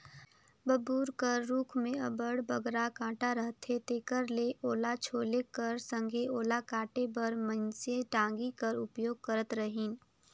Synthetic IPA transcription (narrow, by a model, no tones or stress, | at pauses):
bəbuːɾkəɾːuːkʰmẽɐbəɽbəɡɾakãːʈaɾəɦt̪ʰɦet̪eːkəɾleʔoːlat͡ʃʰoːlekəɾsə̃ŋɡʱeoːlakaːʈebəɾmə̃nseʈãːŋɡikəɾʊpjoːɡ̚kəɾət̪ɾəɦiːn